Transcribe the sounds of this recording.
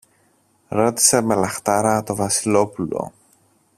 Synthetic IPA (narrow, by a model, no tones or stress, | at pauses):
ɾo̞t̪i̥semelɐxt̪ɐɾɐt̪o̞vɐsilo̞pulo̰